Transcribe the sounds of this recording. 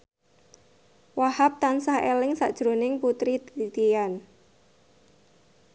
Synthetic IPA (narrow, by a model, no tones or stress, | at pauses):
wahap̚t̪ansahelɪŋsa̰ʔd̥ʒ̥ɾonɪŋput̪ɾit̪it̪ijan